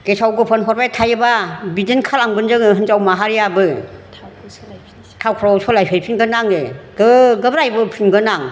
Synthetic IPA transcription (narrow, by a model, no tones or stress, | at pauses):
kesawɡɯpʰɔnpʰɔɾbajtʰajbabidɯnkʰalaŋbɯnzɯŋɯɦɯnzawmaɦaɾijabɯ | tʰawkʰɾɔwsʰɔlajpʰejpʰinɡɯnaŋɯɡɯɡɯbɾajbɯpʰinɡɯnaŋ